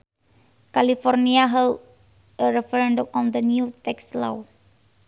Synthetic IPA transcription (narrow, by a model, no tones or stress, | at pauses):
kalifɔrniaɦɛld | əɾɛfɛɾɛndɔmɔnd̪ənjut̪ɛksla̰w